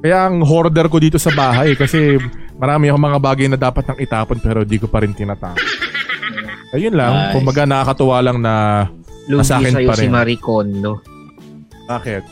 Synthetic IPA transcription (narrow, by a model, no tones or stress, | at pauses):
kɐjaʔɐŋɦoɾd̪ɛɾko̞d̪iːt̪o̞sɐbaːɦɐjɛkɐsɛmɐɾaːmɪɐkomɐŋabaːɡɐjnɐd̪aːpɐt̪̚nɐŋɪt̪aːponpɛːɾond̪iːkopɐɾɪnt̪ɪnat̪aːʔo | ʔɐjonlɐŋkʊmbɐɡanɐkakɐt̪ʊwaːlɐŋnɐ | luɐsaːkɪɐjpɐɾɛnmɐɾɪkond̪o | baːkɪt̪̚